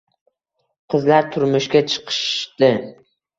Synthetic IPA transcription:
qʰɨzlaɾt̪ʰʊɾmʊʃkʲat͡ʃʰɨ̥qʰɨ̥ʃd̪ɪ

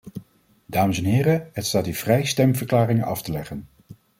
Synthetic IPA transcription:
daːməsɛnɦɪːɾəɦətstaːtyːv̥rɛjstɛmvəɹklaːrɪŋənɑ̰ftəlɛχən

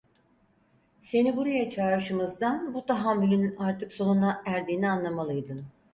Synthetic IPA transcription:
se̞nibuɾajat͡ʃʰaːɾɯʃɯmɯzd̪anbut̪ʰaɦamːylʲynaɾt̪ʰɯkso̞nunaæɾd̪iːnianlˠamalˠɯjd̪ɯn

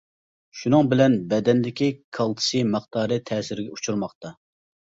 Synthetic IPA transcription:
ʃunɨŋbɪlɛnbɛd̪ɛnlɪkʲikʰɑlˠt̪ʰɨ̥sɨmɑχt̪ɑːɾɨt̪ʰɛːsɪɾɪɡʲɛut͡ʃʰuɾmɑχt̪ɑ

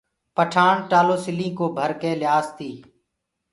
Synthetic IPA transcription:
pəʈʰaːɳʈaːloːsɪlĩːkoːbʱəɾkeːlɪjaːst̪iː

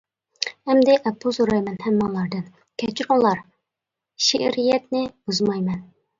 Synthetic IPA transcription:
hɛmd̪ɛʔɛpʰːʊsoɾɑjmɛnhɛmːɑŋlˠɑɾd̪ɨn | kʲʰɛt͡ʃʰiɾʊŋlˠɑɾ | ʃḛʔɾijɛt̪nɪb̥uzmɑjmɛn

